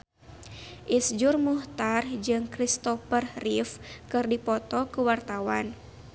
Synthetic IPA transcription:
ʔisd͡ʒurmuht̪ard͡ʒɨŋkɾist̪ɔfərrifkɨrdipɔt̪ɔkəwart̪awan

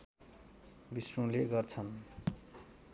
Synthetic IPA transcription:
bisrõleɡʌrt͡sʰʌn

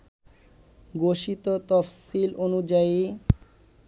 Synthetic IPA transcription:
ɡoʃit̪ot̪ɔfsilʔonud͡ʑai

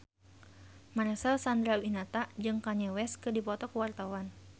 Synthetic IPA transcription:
maɾɛsɛlsand̪ɾawinat̪aʔd͡ʒɨŋkaɲɛwɛskɨdipɔt̪ɔkəwart̪awan

